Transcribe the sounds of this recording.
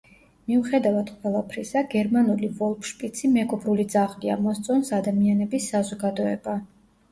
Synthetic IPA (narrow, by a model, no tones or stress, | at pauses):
miuχɛd̪avad̪̥qʼwɛlˠapʰɾisaɡɛɾmanulivɔlˠpʰʃpʼit̪sʰimɛɡɔbɾulid̪zaʁlia̰mɔst̪sʼɔnsad̪amianɛbisːazɔɡad̪ɔɛ̰ba